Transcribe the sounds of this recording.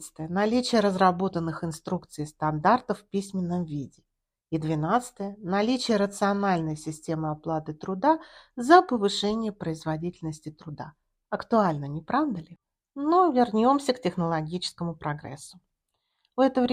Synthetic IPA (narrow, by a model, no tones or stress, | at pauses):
sɨ̥t̪əjənɐlʲit͡ɕɪjəɾəzɾɐbo̞t̪ənːɨxɪnst̪ɾukt̪sɨjst̪ɐnd̪art̪əfpʲisʲmʲɪnːəmvʲidʲɪ | id̪vʲɪnat̪sɨ̥t̪əjənɐlʲit͡ɕɪjəɾət̪sɨɐnalʲnəjsʲɪsʲtʲe̞mɨɐplˠat̪ɨt̪ɾʊd̪azəpəvɨʂɛnʲɪjəpɾəɪzvɐdʲitʲɪlʲnəsʲtʲɪt̪ɾʊd̪a̰ | ɐkt̪ʊalʲnənʲɪpɾavd̪əlʲɪ | novʲɪrnʲo̞msʲəktʲɪxnəlˠɐɡʲit͡ɕɪ̥skəmʊpɾɐɡɾɛ̰sːʊ | vɛt̪əvɾʲ